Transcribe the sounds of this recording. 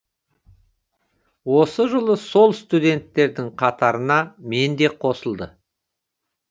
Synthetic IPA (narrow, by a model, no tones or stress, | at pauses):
wo̞səʒəlˠəso̞lˠst̪ud̪e̞nt̪ːe̞ɾd̪ɪŋqʰɑt̪ɑɾənɑme̞nd̪e̞qʰo̞səlˠd̪ə